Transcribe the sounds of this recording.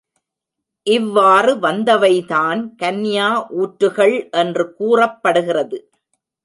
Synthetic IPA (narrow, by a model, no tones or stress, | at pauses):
ʔɪʋːaːrɯʋɐnd̪ɐʋɐɪðaːnkɐnːjaːʔuːʈɾɯɣɐɭʔɛndrɯkuːrɐpːɐɽɯɣɪrɐðɯ